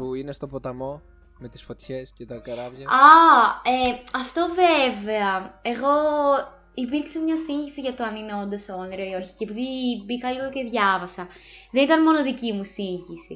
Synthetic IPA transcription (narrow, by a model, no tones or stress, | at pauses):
puinest̪o̞pot̪ɐmo̞ | met̪i̥sfo̞t̪çescet̪ɐkɐɾɐvʝɐɐeɐft̪o̞veve̞ɐe̞ɣo̞ | ipiɾkse̞mɲɐsiɲçisiʝɐt̪oɐnine̞o̞nd̪ɐsoniɾo̞io̞çi̥ceːpiðibikɐliɣo̞ce̞ðʝɐvɐsɐ | ðe̞nit̪ɐnmo̞no̞ðicimusiɲçisḭ